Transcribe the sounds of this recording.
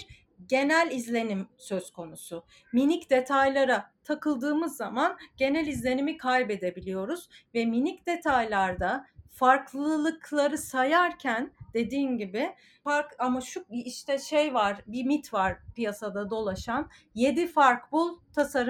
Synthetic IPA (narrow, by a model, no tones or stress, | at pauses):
ɾ | ɟe̞nælʲizlʲe̞nimsøzkʰo̞nusʊ | minicd̪e̞t̪ʰajlʲˠaɾat̪ʰakʰɯlˠd̪ɯːmɯzːamanɟ̥e̞nælʲizlʲe̞nimikʰajbe̞d̪e̞bilʲijo̞ɾuz̥vɛminicd̪̥e̞t̪ʰajlʲˠaɾd̪afaɾklˠɯlˠɯklˠaɾɯsajaɾcʰænd̪̥e̞d̪iːnɟibɪ | faɾkamaʃuiʃt̪ʰɛʃejvaɾbimit̪ʰvaɾ̥pijasad̪ad̪o̞lˠaʃan | je̞d̪ifaɾkbulˠt̪ʰasaɾɯ